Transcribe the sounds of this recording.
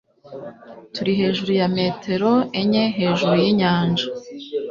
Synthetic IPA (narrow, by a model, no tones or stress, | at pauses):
tuɾiɦe̞ːʒuɾujame̞ːtʰe̞ɾo̞eɲe̞ɦe̞ːʒuɾujiɲaːnd͡ʒa